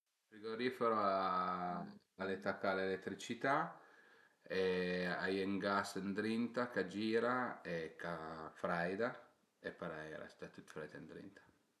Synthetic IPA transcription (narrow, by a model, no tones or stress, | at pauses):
fɾiɡoɾifɛɾoa | alet̪akalelet̪ːɾit͡ʃit̪a | eajeŋɡasnd̪ɾint̪akad͡ʒiːɾaekafɾajd̪a | epɾajɾa̰st̪at̪ːut̪fɾajd̪and̪ɾḭnt̪ḁ